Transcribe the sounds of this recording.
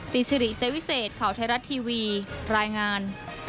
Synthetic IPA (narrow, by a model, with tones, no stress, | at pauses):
t̪i˨˩t̪̚si˧ɾi˨˩ʔse˦˥wi˦˥seː˨˩t̪̚kʰaː˩˦wt̪ʰa˧˥ɾa˦˥t̪ʰːiː˧wiː˧ɾaː˧jŋaː˧n